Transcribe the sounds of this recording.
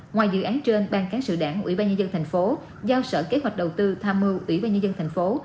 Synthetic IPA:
ŋwaː˨˩jzɨ̰˧˨ʔaː˨˦nt͡ɕe˧nɓaː˧nkaː˨˦ŋsɨ̰˧˨ɗaː˧˩ŋʔwḭ˧˩˥ɓaː˧nɲə˧nzə˧nt̪ʰa˨˩jŋ̟fo˨˦ | zaː˧wsə̰ː˧˩ke˨˦˥ɦwa˨˩jk̟̚ɗə˨˩wt̪ɨ˧t̪ʰaː˧mːɨ˧wʔwḭ˧˩ɓaː˧nɲə˧nzə˧nt̪ʰa˨˩jŋ̟fo˨˦

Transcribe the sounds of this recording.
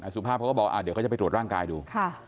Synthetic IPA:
na˨˧˦su˨˩pʰaː˥˩p̚ʰkːbɔ˨˩kwa˥˧a˨˧˩dka˨˩pjtɾu˨˩t̪ɾːŋkaː˧jduː˧kʰa˥˩

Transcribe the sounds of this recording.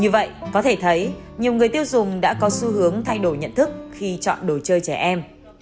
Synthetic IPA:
ɲɨ˧və̰˧˨jʔkɔ˨˦t̪ʰe˧˩t̪ʰə˨˦jɲi˨˩əwŋɨ˨˩əjt̪i˧əwzʊ˨˩ŋ͡mɗa̰ː˧˥kɔ˨˦su˨˦ɦɨ˨˦əŋt̪ʰa˧jɗo˧˩jɲə̰˧˨nt̪ʰɨ˦˥k̚xi˧t͡ɕɔ̰˧˨nɗo˧˩t͡ɕəː˧jt͡ɕɛ˧˩ʔɛ˧m

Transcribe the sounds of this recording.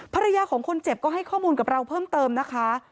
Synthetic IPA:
pʰa˧ɾa˧jaː˧kʰɔː˩˦ŋkʰo˧nt͡ɕe˨˩p̚kɔː˥˩ɦa˥˩jkʰɔː˥˩muː˧nka˨˩p̚ɾa˧wpʰɤː˥˩mt̪ɤː˧mna˦˥kʰa˦˥

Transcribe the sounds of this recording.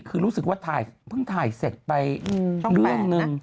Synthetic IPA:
kʰɯː˧ɾuː˦˥sɯ˨k̚waː˥˩t̪ʰaː˨˩jpʰɯ˥˩ŋt̪ʰaː˨˩jse˨˩t̪̚pa˧jɾɯ˥˩əŋnɯ˧ŋ

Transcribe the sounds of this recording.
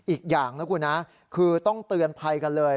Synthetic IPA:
ʔiː˨˩k̚jaː˨˩ŋna˦˥kʰuː˧˩na˦˥ | kʰɯː˧t̪ɔ˥˩ŋt̪ɯ˧ənpʰa˧jka˧nlɤː˧j

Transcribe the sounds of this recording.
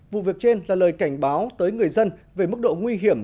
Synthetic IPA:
vṵ˧˨vi˨˩ək̚t͡ɕe˧nlaː˨˩ləː˨˩jka˧˩jŋ̟ɓaː˨˦wt̪əː˨˦jŋɨ˨˩əjzə˧nve˨˩mɨ˦˥k̚ɗo̰˧˨ŋwi˧ɦi˧˩əm

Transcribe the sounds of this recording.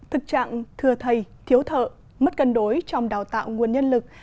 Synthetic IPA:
t̪ʰɨ˨˩k̚t͡ɕa̰ː˧˨ŋt̪ʰɨ˨˩ət̪ʰə˨˩jt̪ʰi˨˦əwt̪ʰə̰ː˧˨ | mə˦˥t̚kə˧nɗo˨˦jt͡ɕɔ˧wŋ͡mɗaː˨˩wt̪a̰ː˧˨wŋu˨˩ənɲə˧nlɨ˨˩k̚

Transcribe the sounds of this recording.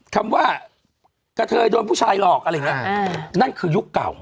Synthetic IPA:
kʰa˧mwaː˥˩ | ka˧t̪ʰɤː˧jdoː˧npʰu˥˩t͡ɕʰaː˧jlɔː˨˩k̚ʔa˧ɾjːŋi˦˥ɐ˧na˥˩nkʰɯː˧ju˦˥kːa̰˨˩w

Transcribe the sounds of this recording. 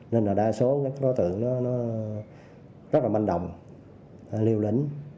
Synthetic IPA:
ne˧nlaː˨˩ɗaː˧jso˨˦kaː˨˦kaː˨˦kɔ˨˦t̪ɨ̰˧˨əŋnɔ˨˦nɔ˨˦ | zə˦˥t̚laː˨˩ma˧nɗə̰˨wŋ͡m | li˧əwlḭ˧˦ŋ̟

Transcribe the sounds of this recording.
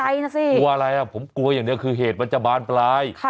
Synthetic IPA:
a˧jna˦˥siː˧˩ku˧ɐʔa˧ɾa˧jʔa˧˩pʰo˩˦mku˧ɐ˧jaː˨˩ŋni˦˥əkʰɯː˧ɦeː˨˩t̪̚pa˧nt͡ɕa˧˩baː˧nplaː˧jkʰ

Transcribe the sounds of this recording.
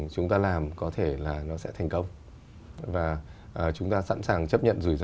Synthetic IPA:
t͡ɕʊ˨˦ŋ͡mt̪aː˧laː˨˩mkɔ˨˦t̪ʰe˧˩laː˨˩nɔ˨˦sɛ̰˧˥t̪ʰɛ˨˩jŋ̟kə˧wŋ͡m | vaː˨˩ʔəː˨˩t͡ɕʊ˨˦ŋ͡mt̪aː˧sa̰˧˥nsaː˨˩ŋt͡ɕə˦˥p̚ɲə̰˧˨nzu˧˩jz

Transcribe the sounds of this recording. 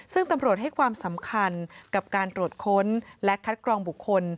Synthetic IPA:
sɯ˥˩ŋt̪a˧mɾu˨˩ət̪̚ha˥˩jkʰwaː˧msa˩˦mkʰa˧nka˨˩p̚kaː˧nt̪ɾu˨˩ət̪̚kʰo˦˥nlɛ˦˥kʰa˦˥t̪̚kʰɾɔː˧ŋbu˨˩kʰːo˧n

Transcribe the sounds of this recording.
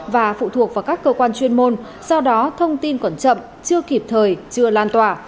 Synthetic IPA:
vaː˨˩fṵ˧˨t̪ʰu˨˩ək̚vaː˨˩wkaː˦˥kːəː˧kwaː˧nt͡ɕwi˧ənmo˧n | sɔ˧wɗɔ˨˦t̪ʰə˧wŋ͡mt̪i˧nkɔ˧˩nt͡ɕə̰˧˨m | t͡ɕɨ˧əki˨˩p̚t̪ʰəː˨˩jt͡ɕɨ˧əlaː˧nt̪waː˨˩

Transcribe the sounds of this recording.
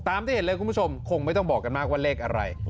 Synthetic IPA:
t̪aː˧mt̪ʰiː˥˩he˦nlɤː˧jku˧nbʰu˥˩o˧mkʰo˧ŋma˥˩jt̪ɔ˥˩bɔː˨˩kːa˧nmaː˥˩k̚waː˥˩leː˥˩k̚ʔa˧ɾa̰˧j

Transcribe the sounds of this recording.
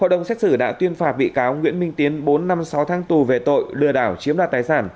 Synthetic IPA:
ho̰˧˨ɗə˨˩wŋ͡msɛ˦˥t̚sɨ˧˩ɗa̰ː˧˥t̪wi˧ənfaː˧˩t̚ɓḭ˧˨kaː˨˦wŋwḭ˧˥ənmï˧ŋt̪i˨˦ənɓo˨˦nːa˧msa˨˦wt̪ʰaː˨˦ŋt̪u˨˩ve˨˩t̪o̰˧˨jlɨ̰˧˩əɗaː˧˩wt͡ɕi˨˦əmɗaː˧˨˩t̪aː˨˧˦jsaː˧˩n

